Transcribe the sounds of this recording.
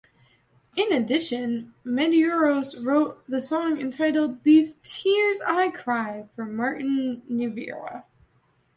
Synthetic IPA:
ɨ̃nɨdɪʃɨ̃nmɛɾiɔɹoʊsɹoʊt̪̚ðɨsɔ̃ŋɨ̃ntʰaɪɾl̩ˠd̪̚ðiz̥tʰɪɹzaɪkʰɹ̥aɪfʌ˞mɑɹʔn̩ːɨvɪ̰ɹə̰

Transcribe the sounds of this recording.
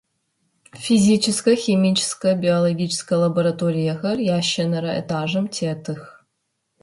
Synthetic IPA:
fʲizʲit͡ʃʰɪskɐxʲimʲit͡ʃʰɪ̥skɐbʲiolˠoɡʲit͡ʃʰɪ̥skɐjlˠɐboɾɐtʰoɾʲijɐɣɐrjaʃɐnɐɾɐḛtʰaːʒɨmtʲʰetʰɨx

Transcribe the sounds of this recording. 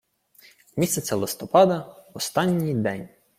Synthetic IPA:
mʲisʲɐt͡sʲɐlˠɪst̪ɔpɑd̪ɐɔst̪ɑnʲːijd̪ɛnʲ

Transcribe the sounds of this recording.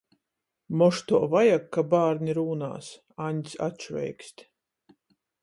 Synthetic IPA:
mɔʃt̪uɔvajakːabaːɾnʲiɾuːna̰ːs | anʲsʲa̰t͡ʃvʲɛ̰jksʲt̪ʲ

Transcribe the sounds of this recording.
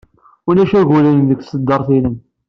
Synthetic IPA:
unæʃæɣulənðəɡsəd̪ːɑɾˤθilən

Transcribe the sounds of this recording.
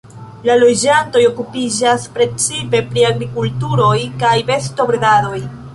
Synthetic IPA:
lalo̞d͡ʒanto̞jo̞kupid͡ʒaspɾe̞t͡sipe̞pɾiaɡɾikultuɾo̞jkajbe̞sto̞bɾɡado̞j

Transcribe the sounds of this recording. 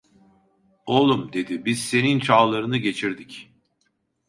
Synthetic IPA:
olˠumd̪e̞d̪ibizse̞nint͡ʃʰaːlˠaɾɯnɯɟe̞t͡ʃʰiɾd̪ic

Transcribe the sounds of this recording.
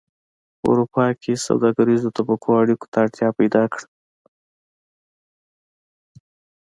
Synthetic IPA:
pəṵɾupɑkʰesa̰wd̪ɑɡaɾizot̪abakʰoaɽiko̥t̪aːɽt̪jɑpajd̪ɑkɽ

